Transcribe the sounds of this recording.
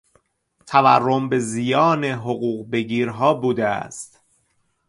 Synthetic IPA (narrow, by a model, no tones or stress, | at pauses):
t̪ʰævæ̰rːo̞mbe̞zijɒːne̞ɦoɣuːɣbe̞ɡiːɾɦɒːbuːd̪eæ̰st̪